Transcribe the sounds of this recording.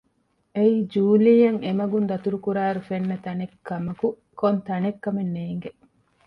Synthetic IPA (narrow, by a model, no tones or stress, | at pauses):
eiːd͡ʒuːliːjɐŋemɐɡund̪ɐt̪uɾukuɾaːɾufenːɐt̪ɐnekːɐmɐku | kont̪ɐnekːɐmenːeːŋɡe